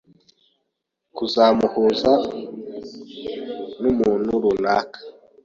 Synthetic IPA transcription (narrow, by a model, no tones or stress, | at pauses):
kuzamuhuza | numunuɾunakḁ